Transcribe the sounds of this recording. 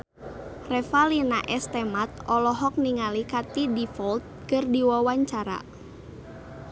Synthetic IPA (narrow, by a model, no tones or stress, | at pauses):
rɛfalinaʔɛst̪ɛmat̪̚ɔlɔɦɔk̚niŋalikat̪idifɔlt̪̚kɨrdiwawaɲt͡ʃaɾa̰